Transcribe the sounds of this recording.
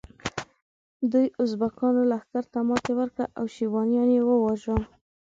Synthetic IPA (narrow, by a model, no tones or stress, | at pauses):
d̪ujʊzbakɑnolaxk̪aɾt̪amɑt̪ewəɾkɽa̰ʔawʃibɑnjɑnjewəwɑʒa